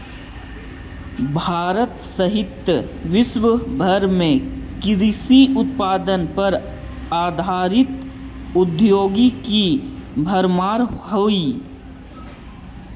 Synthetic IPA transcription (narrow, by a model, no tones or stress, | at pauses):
bʱaːɾət̪səɦɪt̪jəʋɪswəbʱəɾmẽkɪɾisiʊt̪̚paːd̪ənpɐɾ | aːd̪ʱaːɾɪt̪ʊd̪joːɡikibʱəɾmaːɾhoi